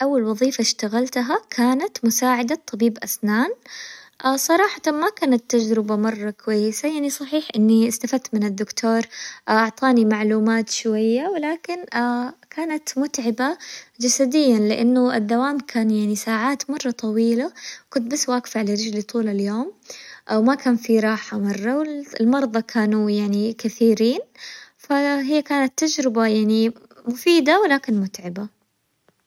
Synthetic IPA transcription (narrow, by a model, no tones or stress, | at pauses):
ʔawːalwɑðˤiːfaʃt̪aɣalt̪ɦakʰaːnat̪mʊsaːʕɪd̪at̪ˤːɑbiːbʔasnaːnʔsˤɑɾˤɑːħɑt̪amakaːnat̪ːad͡ʒɾɪbamɑrˤːɑkʊwajːɪsajaʕnisˤɑħiːħʔɪnːiɪst̪afad̪̚t̪mɪnɪd̪ːʊkt̪ʰoːɾʔɑʕt̪ˤɑːnimaʕluːmaːt̪ʃwajːawɪlaːkɪnkʰaːnat̪mʊt̪ʕɪbad͡ʒasad̪ɪjːanlɪʔanːʊɪd̪ːawaːmkʰaːnjaʕnisaːʕaːt̪mɑrˤːɑt̪ˤɑwiːlawkʊnt̪̚basːwaːɡfalɪɾˤɪd͡ʒlit̪ˤuːlaljoːmʔawmakaːnfiɾˤɑːħamɑrˤːɑwɪlmɑɾˤd̪ˤɑkʰaːnujaʕnikaθiːɾiːnfaɦɪjːakaːnat̪ːad͡ʒɾɪbajaʕni | mʊfiːd̪awɪlaːkɪnmʊt̪ʕɪba